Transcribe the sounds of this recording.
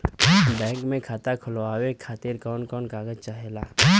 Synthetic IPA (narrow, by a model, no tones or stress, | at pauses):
bɛ̃ːŋkmẽkʰaːt̪akʰʊlaːwekʰaːt̪ɪɾkɔːnkɔːnkaːɡəd͡ʒt͡ʃaɦelaː